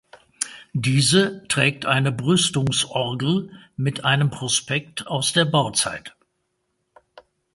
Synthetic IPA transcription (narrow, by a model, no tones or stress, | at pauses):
d̥iːzətʁ̥ɛːk̚tʰʔaɪnəbʁʏstʊŋsʔɔʁɡl̩mɪtʔaɪnəmpʁ̥ɔspɛk̚tʰaʊsd̥eːɐbaʊt͡sa̰ɪt